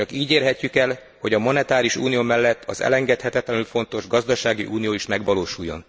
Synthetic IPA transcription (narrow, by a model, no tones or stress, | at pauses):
t͡ʃɒkiːɟeːrɦɛcːykɛl | ho̞ɟɒmonɛt̪aːɾiʃṵːnijoːmɛlːɛt̪ːɒzɛ̰lɛŋɡɛt̪hɛt̪ɛt̪lɛnylfo̞nt̪o̞ʒɡɒzd̪ɒʃaːɡiʔuːnijoːiʃmɛɡʋɒloːʃujːo̞̰n